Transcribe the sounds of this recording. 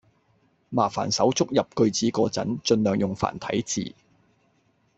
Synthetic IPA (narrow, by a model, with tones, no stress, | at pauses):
maː˨˩fa̰ː˨˩nsɐ˨˥wt͡sʊ˥k̚jɐ˨p̚kɵ˧ɥt͡siː˨˥kɔː˧t͡sɐ̰˨˥nt͡ʃɵ˧nlœː˨˩ŋjʊ˨ŋfa̰ː˨˩nt̪ʰɐ̰˨˥jt͡sḭː˨˩